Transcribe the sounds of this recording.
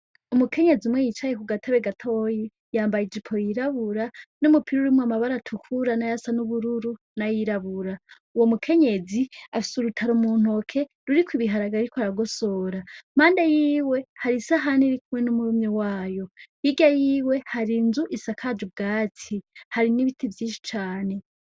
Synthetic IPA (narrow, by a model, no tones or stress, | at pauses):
umukʰe̞ɲe̞ziumwejit͡ʃajekuɡatʰaβeɡatʰoji | jaːmbajid͡ʒipʰo̞jiɾaβuɾanumupʰiɾuɾimwamaβaɾatʰukʰuɾanajasanuβuɾuɾu | najiɾaβuɾa | uwomukʰe̞ɲe̞ziafi̥suɾutʰaɾumun̥o̞kʰe̞ | ɾuɾikwiβiɦaɾaɡaiɾikwaɾaɡo̞so̞ːɾam̥aːndejiːwe̞haɾisaɦaniɾikumŋe̞numumɲewaːjo̞jiɡajiːwe̞haɾinzuʔisakʰad͡ʒub̚ɡaːtʰihaɾiniβitʰivjiːnʃi̥t͡ʃaːne̞